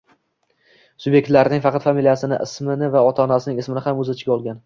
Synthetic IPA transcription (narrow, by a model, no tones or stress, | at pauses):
sʊbje̞k̚ʲt̪laɾɪnɪŋfɑqʰɑt̪familijasɪnɪ̰ʔɪsmɪnɪvaɒt̪ʰaːnasɪnɪŋɪsmɪnɪhamɵzɪt͡ʃʰɪ̥ɡʲɒlˠɡʲan